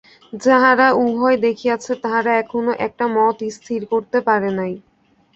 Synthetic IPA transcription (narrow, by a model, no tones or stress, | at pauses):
d͡ʑaɦaɾaubʱɔed̪ekʰiat͡ɕʰet̪aɦaɾaɛkʰonoʔɛk̚ʈamɔt̪ist̪ʰiɾkoɾt̪epaɾenaj